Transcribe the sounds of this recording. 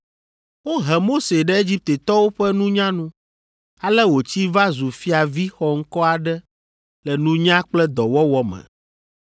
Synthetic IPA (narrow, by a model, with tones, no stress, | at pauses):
wo˦ɦɛ˨mo˦se˨ɖɛ˦e˦d͡ʑi˦p̚t̪e˨t̪ɔ˦wo˦ɸɛ˦nũ˦ɲã˦nũ˦ | a˦lɛ˦wo˨t͡ɕi˦va˦zu˨fi˦a˨vi˦xɔ˨ŋ̩˦kɔ˦a˨ɖɛ˦ | lɛ˨nũ˦ɲã˦k͡plɛ˦d̪ɔ˨wɔ˦wɔ˦mɛ̰˨